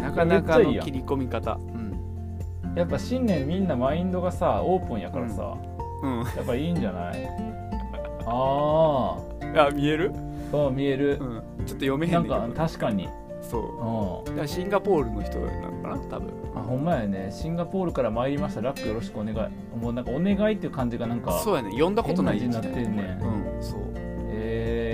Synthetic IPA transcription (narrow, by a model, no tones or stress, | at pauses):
nakad̪ekːaiiːã̰iɾʲiko̞mʲikat̪a̰ | ɯ̃ɴ | japːaɕĩnːẽ̞mːʲĩnːamaĩnd̪o̞ɡasao̞ːpɯ̟̃ɰ̃jakaɾa̰sa̰ | ɯ̟̃japːaiːɲd͡ʑana̰ḭ | aː | amʲie̞ɾɯ̟ | oːmʲie̞ɾɯ̟ɯ̃ | t͡ɕot̪ːojo̞me̞hẽnãŋkãt̪aɕi̥kaɲ̟ḭ | so̰ːɯ̟̃ɴd̪aɕĩŋɡapo̞ːɾɯ̟noçi̥t̪od̪a̰nːã̰ŋka̰na̰t̪abɯ̟̰̃a̰hõ̞mːajane̞ɕĩŋɡapo̞ːɾɯ̟kaɾamaeɾʲimaɕi̥t̪aɾakːɯjo̞ɾo̞ɕi̥kɯ̟one̞ɡai | moːnãŋkao̞ne̞ɡait̪ːeiɯ̟kãɲ̟d͡ʑiɡanãŋkasoːjanejõ̞nd̪akot̪onaid͡ʑiɲinat̪ːeɾnẽɯ̃so̰ː | e